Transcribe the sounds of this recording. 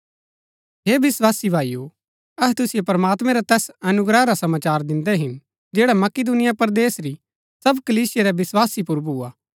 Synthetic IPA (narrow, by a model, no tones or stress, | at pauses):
ɦeːbɪswaːsibʱaːijo | ɐɦɛt̪ʊsijopɐɾɐmaːt̪mɛ̃ɾat̪ɛːsɐnʊɡɾɛɾasɐmaːt͡ʃaːɾd̪ɪ̃nd̪ɛɦɪn | d͡ʒeːɽamɐkɪd̪ʊnɪjapɐɾd̪eːsɾi | sɐbkɐliːsɪjeɾɛʋɪswaːsipʊɾbʱuːaː